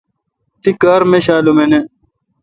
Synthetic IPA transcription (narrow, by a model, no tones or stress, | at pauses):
t̪ikaːɾmeɕaːlumene